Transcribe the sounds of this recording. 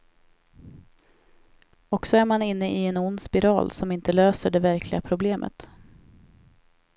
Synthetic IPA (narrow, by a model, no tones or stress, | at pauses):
ɔksɔæɾmanɪnːəʔɪɛnʊnd̪spɪɾɑ̰ːlsɔmɪnt̪əløːsəɖɛvæɾkʰlɪɡapʰɾʊbleːmʔə̰t̪